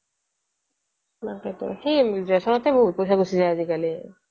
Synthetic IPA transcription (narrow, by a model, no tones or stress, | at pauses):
naxetṵxejzɛsɔnɔtɛboɦut̚pojsaɡosizajazikali